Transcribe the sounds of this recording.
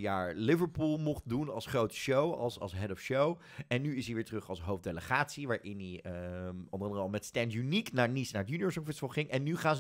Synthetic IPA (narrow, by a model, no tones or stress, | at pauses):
jaːɹlɪvəɹpulˠmɔχt̚dunɑ̰lˠsχrowtə̥ʃowɑ̰lˠsɑ̰lˠsɦɛdɔfʃow | ɛnːyɪsiʋɪːɹtrɵχɑ̰lˠsɦowfdejləχaːtsiʋaːɹʔɪni | ʊ̰ndəʁɑndərəɑlˠmɛtstɛntjyniknaːɹnisnaːɹətjyniʊːɹsɔ̃ŋfɛstfɔlˠχɪŋʔɛnːyχaːn